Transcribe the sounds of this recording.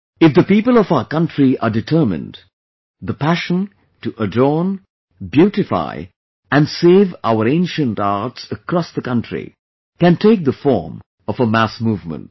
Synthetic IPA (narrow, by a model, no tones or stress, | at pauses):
ɪfd̪əpiːpəlɔfaʊəkʌ̃ntʰɹiʔaɖɪtʰə˞mɪ̰̃nd | d̪əpæʃə̃n | tuʔədɔːn | bjuːʈɪfa̰ɪ | æ̃nseːva̰ʊəɾẽɪ̃nʃə̃ntaɹtsəkɾɔsd̪əkʌ̃ntʰɹḭ | kæ̃ntʰeɪk̚d̪əfɔ̰ɹm | ɔvəmæsmuvmə̰̃nt̚